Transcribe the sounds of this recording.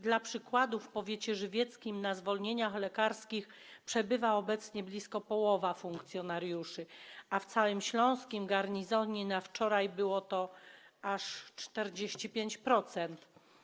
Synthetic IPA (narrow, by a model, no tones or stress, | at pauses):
d̪lapʂɘkwad̪ufpɔvʲjeɛt͡ɕɛʐɘvʲjɛt̪skʲimnazvɔlɲeɲaxlɛkaɾskʲix | pʂɛbɘvaɔbɛt̪sɲɛblʲiskɔpɔwɔvafuŋkt̪sʲjɔnaɾjuʂɘaft̪sawɘmɕlɔ̃w̃skʲimɡaɾɲizɔɲinaft͡ʂɔɾajbɘwɔt̪ɔaʂt͡ʂt̪ɛɾd͡ʑeɕt͡ɕipʲjeɲt͡ɕpɾɔt̪sɛnt̪